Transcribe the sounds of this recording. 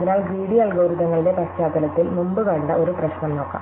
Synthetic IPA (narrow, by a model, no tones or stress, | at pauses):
ðinaːɭɡiːɽiɐlɡoːɾuðɐŋːɐɭile̞pɐst͡ɕaːt̪ːɐlɐt̪ːilmumbukɐɳɖɐʔo̞ɾuprɐɕnɐmno̞ːkːa̰ː